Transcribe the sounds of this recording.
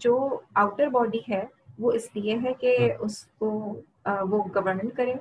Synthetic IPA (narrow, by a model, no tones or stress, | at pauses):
d͡ʒoːaːʊʈəɾbɔːɖiɦɛː | ʋoɪslieɦɛkeʊsko | ʋoɡɐʋəɾmə̃ɳʈkɐɾẽː